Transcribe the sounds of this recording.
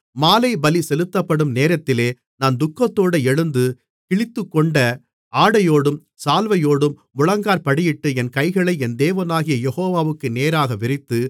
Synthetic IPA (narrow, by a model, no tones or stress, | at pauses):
maːlɐɪbɐlisɛlɯt̪ːɐpːɐɽɯmneːɾɐt̪ːɪleː | naːnd̪ʊkːɐt̪ːoːɽɐɛɻɯnd̪ɯ | kɪɭɪt̪ːɯkːɔɳɖɐ | aːɽɐjoːɽɯm | saːlʋɐjoːɽɯmːʊɻɐŋɡaːɾpɐɽɪjɪʈːɯɛnkɐɪɣɐɭɐɪɛnd̪eːʋɐnaːɣɪjɐjɛɣoːʋaːʋɯkːɯneːɾaːɣɐʋɪɾɪt̪ːɯ